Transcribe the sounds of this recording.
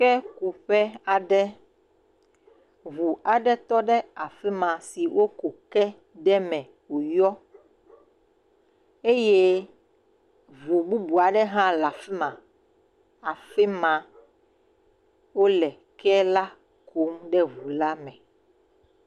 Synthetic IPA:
kɛ˦ku˨ɸɛ˦a˨ɖɛ˦ | vu˨a˨ɖɛ˦t̪ɔ˦ɖɛ˦a˨fɛ˦mã˨si˨wo˦ko˨kɛ˦ | ɖɛ˦mɛ̃˨ | wo˨jɔ˦ | e˦je˦ | vu˨bu˦bu˨a˨ɖɛ˦ɦã˦la˨fɛ˦mã˨ | a˨fɛ˦mã˨ | wo˦lɛ˨ | kɛ˦la˦ | ko˨˦mɖɛ˦vu˨la˦mɛ̃˨

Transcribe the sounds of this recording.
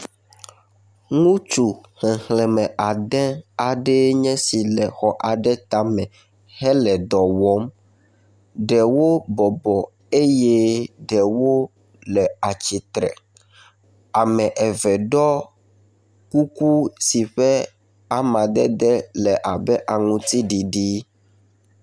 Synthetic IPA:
ŋũ˦t͡ʃu˨hɛ̃˨hlɛ˨mɛ̃˨ʔa˨d̪ɛ̃˦a˨ɖɛ˦ɲɛ̃˦si˨lɛ˨xɔ˨ʔa˨ɖɛ˦t̪a˦mɛ̃˨ | hɛ˦lɛ˨d̪ɔ˨wɔ˦m | ɖɛ˨wo˦bɔ˨bɔ˨ | e˦jɛ˦ɖɛ˨wo˦ | lɛ˨a˨t͡ɕi˨t̪ɾɛ̰˨ | a˨mɛ̃˨ʔɛ˨vɛ˨ɖɔ˦ | ku˦ku˦si˨ɸɛ˦ | a˨mã˨d̪ɛ˦d̪ɛ˦lɛ˨ʔa˨bɛ˦ʔa˨ŋũ˦t̪i˦ɖi˨ɖi˦

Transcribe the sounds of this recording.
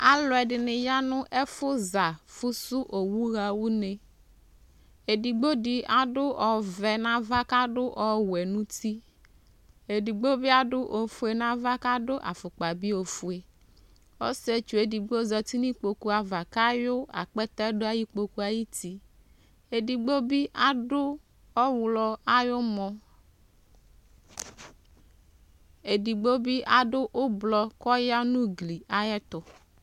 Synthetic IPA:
a˨lɔ˨ɛ˨ɖɪ˨nɪ˨ja˦nʊ̃˦ʔɛ˦fʊ˦za˨fʊ˦sʊ˦ʔo˨wu˦ɣa˨wu˦ne˨ | e˨di˨ɡ͡bo˦di˨a˨ɖʊ˦ɔ˨vɛ˨nã˦va˦ka˦ɖʊ˦ʔɔ˨wɛ˨nũ˦t̪i˦ | e˨di˨ɡ͡bo˦bɪ˦a˦ɖʊ˦ʔo˨fu˦e˨nã˦va˦ka˦ɖʊ˦ʔa̰˨fʊ˨k͡pa˨bi˦o˨fu˦e˨ | o̰˦se˦t͡ʃu˨e˨di˨ɡ͡bo˦zɔ˨t̪i˦nĩ˦k͡po˨ku˦a˨va˨ka˦jo˦a̰˨k͡pɛ˦t̪ɛ˦ɖʊ˦a˦ji˦k͡po˨ku˦a˨ji˦t̪i˦ | e˨di˨ɡ͡bo˦bi˦ʔa˨ɖʊ˦ | ɔ˦wlɔ˦a˦jo˦mɔ̃˦ | e˨di˨ɡ͡bo˦bi˦ʔa˨ɖʊ˦ʔo˦blɔ˨kɔ˦ja˦nũ˦ɡli˨a˦jɛ˦t̪ʊ˨

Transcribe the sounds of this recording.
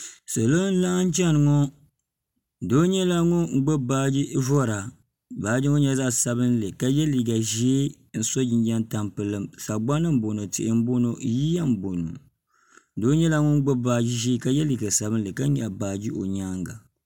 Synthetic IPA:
sa˨lo˦n̩˦la˦ŋ˦n̩˦t͡ʃɛ˦˨nɨ˨ŋɔ˦˨ | do˦ɲɛ˦la˦ŋʊ˦ŋ̩˦ɡ͡bo˦baː˦d͡ʒi˦vɔ˦˨ɾa˨ | baː˨˦d͡ʒi˦ŋo˦ɲɛ˦za˦ʔsa˨βɨ˦n˦lɨ˨ka˦jɛ˦liː˨ɡa˨ʒe˦ | n̩˦so˦d͡ʒi˨n˦d͡ʒa˦nta˨mpɨ˨lɨ˦msa˨ɡ͡ba˦nɨ˦m̩˦bo˨no˨tɪ˨ʔɪ˨m̩˦bo˦no˨ji˦ja˦m̩˨bo˨no̰˨ | do˦ɲɛ˦la˦ŋʊ˦ŋ̩˦ɡ͡bo˦baː˨d͡ʒi˦ʒi˦ka˦jɛ˦liː˨ɡa˨sa˨bɨ˦n̩˦lɨ˨ka˦ɲa˨baː˨d͡ʒi˦ʔo˨ɲaː˦ŋɡa˨

